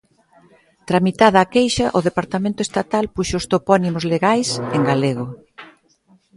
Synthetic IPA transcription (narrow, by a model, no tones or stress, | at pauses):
t̪ɾamit̪aðɐːkejʃɐʔoðepaɾt̪amẽnt̪ʊest̪at̪alpuʃoʊst̪opɔnimʊzleɣajseŋɡaleɣo